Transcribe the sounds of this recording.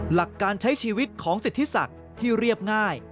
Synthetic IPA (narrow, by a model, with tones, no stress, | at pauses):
la˨˩kːaː˧nt͡ɕʰa˦˥jt͡ɕʰiː˧wi˦˥t̪̚kʰɔː˩˦ŋsi˨˩t̪ʰːi˦˥sa̰˨˩k̚ | t̪ʰiː˥˩ɾi˥˩əp̚ŋaː˥˩j